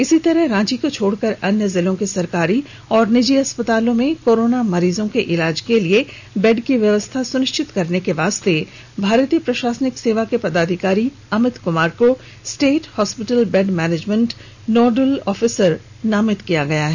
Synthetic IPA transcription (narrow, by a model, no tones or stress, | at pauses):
ɪsit̪ɐɾəɦɾãːt͡ʃikot͡ʃʰoːɽkɐɾɐnjəzɪlõkesɐɾkaːɾi | ɔːɾnɪd͡ʒiɦɐspət̪aːlõmẽkoːɾoːnamɐɾiːzõkeʔɪlaːd͡ʒkelie | bɛɖkiʋjɐʋəst̪ʰasʊnɪʃt͡ʃɪt̪kɐɾnekeʋaːst̪e | bʱaːɾt̪ijəpɾɐʃaːsnɪkseːʋakepɐd̪aːd̪ʱɪkaːɾi | ɐmɪt̪kʊmaːɾko | sʈeːʈhɔːspɪʈəlbɛɖmɛːneːd͡ʒmə̃ɳʈ | nɔːɖəlɔːfɪsəɾ | naːmɪt̪kijaɡɐjaɦɛː